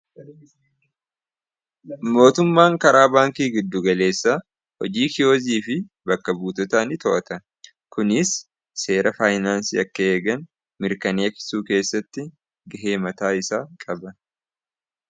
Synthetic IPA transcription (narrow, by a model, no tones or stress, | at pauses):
mo̞ːt̪ʊmːaːŋkɐɾaːbaːŋkiːɡɪd̪ːʊɡɐle̞ːsːa | hɔ̰d͡ʒiːkɪjo̞ːziːfɪ | bɐkːɐbuːt̪ɔt̪aːnɪt̪ɔʔɐt̪ɐ | kʊnɪsː | e̞ːɾʔɐfaːjnaːnsḭːɐkːɐe̞ːɡɐn | mɪɾkɐneːkɪ̥suːke̞ːsːɐt̪ːɪ | ɡɐɦe̞ːmɐt̪aːɪsaːkʼɐbɐ